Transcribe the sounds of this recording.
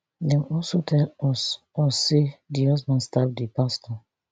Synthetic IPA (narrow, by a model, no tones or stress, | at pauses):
dɛ̃wɔlsotʰɛlɔs | ɔsːedihɔsbãnstavdipastɔ